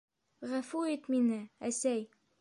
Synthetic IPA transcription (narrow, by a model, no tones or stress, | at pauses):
ʁæfuit̪minɘæsæj